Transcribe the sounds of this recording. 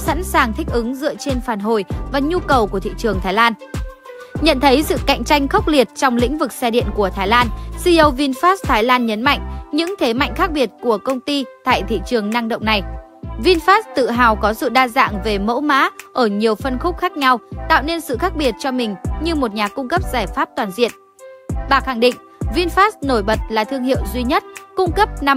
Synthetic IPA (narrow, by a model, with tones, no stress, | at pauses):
sa̰˧˥nsaː˨˩ŋt̪ʰï˦˥k̟̚ʔɨ˨˦ŋzɨ̰˧˨ət͡ɕe˧nfaː˨˩nɦo˨˩jvaː˨˩ɲu˧kə˨˩wku˧˩ət̪ʰḭ˧˨t͡ɕɨ˨˩əŋt̪ʰaː˨˦jlaː˧n | ɲə̰˧˨nt̪ʰə˨˦jsɨ̰˧˨ka̰˧˨jŋ̟t͡ɕa˧jŋ̟xə˦˥k͡p̚li˨˩ət̚t͡ɕɔ˧wŋ͡mlḭ˧˥ŋ̟vɨ˨˩k̚sɛ˧ɗḭ˧˨ənku˧˩ət̪ʰaː˨˦jlaː˧nsi˧ʔə˨˧wvi˧nfaː˦˥st̪ʰaː˨˦jlaː˧nɲə˨˦nma̰˧˨jŋ̟ɲɨ̰˧˥ŋt̪ʰe˨˦ma̰˧˨jŋ̟xaː˦˥k̚ɓi˨˩ət̚ku˧˩əkə˧wŋ͡mt̪i˧t̪a̰ː˧˨jt̪ʰḭ˧˨t͡ɕɨ˨˩əŋna˧ŋɗə̰˧˨wŋ͡mna˨˩j | vi˧nfaː˦˥st̪ɨ̰˧˨ɦaː˨˩wkɔ˨˦sɨ̰˧˨ɗaː˧za̰ː˧˨ŋve˨˩mo̰˧˥wma̰ː˧˥ʔəː˧˩ɲi˨˩əwfə˧nxʊ˦˥k͡p̚xaː˦˥k̚ɲa˧wt̪a̰ː˧˨wne˧nsɨ̰˧˨xaː˦˥k̚ɓi˨˩ət̚t͡ɕɔ˧mï˨˩ŋ̟ɲɨ˧mo˨˩t̚ɲaː˨˩kʊ˧ŋ͡mkə˦˥p̚z̥aː˧˩jfaː˦˥p̚t̪waː˨˩nzḭ˧˨ən | ɓaː˨˩xa˧˩ŋɗḭ̈˧˨ŋ̟vi˧nfaː˦˥sno˧˩jɓə˨˩t̚laː˨˩t̪ʰɨ˧əŋhḭ˧˨əwzwi˧ɲə˦˥t̚kʊ˧ŋ͡mkə˦˥p̚na˧